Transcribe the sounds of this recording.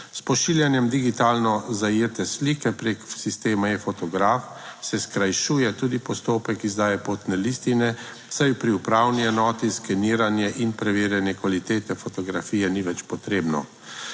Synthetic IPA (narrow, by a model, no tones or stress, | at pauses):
spɔʃiːljanjɛmd̪iɡit̪aːlnɔzajeːt̪ɛsliːkɛpɾeːksist̪eːmajɛfɔt̪ɔɡɾaːf | sɛskɾajʃuːjɛt̪uːd̪ipɔst̪oːpɛkizd̪aːjɛpoːt̪nɛlist̪inɛ | sajpɾiupɾaːwniɛnɔːt̪iskɛniːɾanjɛʔinpɾɛʋeːɾjɛnjɛkʋalit̪eːt̪ɛfɔt̪ɔɡɾafiːjɛniʋɛt͡ʃpɔt̪ɾeːbnɔ̰